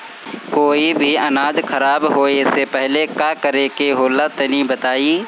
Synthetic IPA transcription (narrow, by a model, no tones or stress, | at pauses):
koːibʱiɐnaːd͡ʒkʰɐɾaːbɦoːesepɛɦlekaːkəɾekeɦoːlat̪enibət̪aːiː